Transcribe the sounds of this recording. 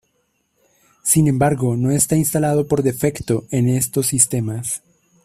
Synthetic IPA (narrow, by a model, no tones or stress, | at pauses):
sinẽ̞mbaɾɣo̞no̞e̞st̪ainst̪alað̞o̞po̞ɾðe̞fe̞kt̪o̞e̞ne̞st̪o̞s̬ːist̪e̞mas